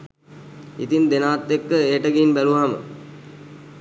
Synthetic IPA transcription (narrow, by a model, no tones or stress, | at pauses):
ḭt̪ind̪enaːt̪ːekːəeʈəɡiːnbæluɦamə̰